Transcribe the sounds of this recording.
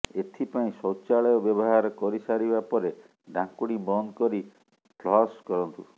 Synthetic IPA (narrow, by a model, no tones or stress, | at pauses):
et̪ʰipaĩsɔt͡ʃaɭɔjɔbjɔbɔɦaɾɔkɔɾisaɾibapɔɾe | ɖʱãŋkuɽimɔnkɔɾi | plɔskɔɾɔnt̪u